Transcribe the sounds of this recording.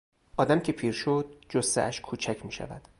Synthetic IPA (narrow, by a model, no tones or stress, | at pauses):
ʔɒːd̪æmcʰepʰiːɾʃod̪̚d͡ʒost̪ḛæʃkʰuːt͡ʃʰæcʰmiːʃæ̰væ̰d̪̥